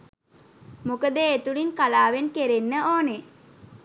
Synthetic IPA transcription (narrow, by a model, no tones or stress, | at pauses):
mukəd̪eːt̪ulinkalaːʋenkeɾenːəoːne